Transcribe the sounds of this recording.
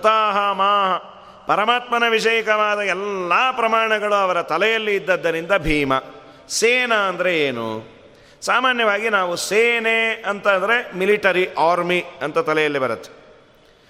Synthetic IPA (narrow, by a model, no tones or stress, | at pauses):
ɐt̪aːɦɐmaːɦɐ | pɐɾɐmaːt̪mɐnɐʋiʂɐjɐkɐʋaːd̪ɐɛlːaːpɾɐmaːɳɐɡɐɭuɐʋɐɾɐt̪ɐlɛjɐlːiːd̪ːɐd̪ːɐɾind̪ɐbʱiːmɐ | seːnɐɐnd̪ɐɾe̞eːnṵ | saːmaːnjɐʋaːɡinaːʋuseːneɐnt̪ɐnd̪ɐɾemiliʈɐɾiʔaːɾmiɐnt̪ɐt̪ɐlɛjɐlːibɐɾɐt̪ːe̥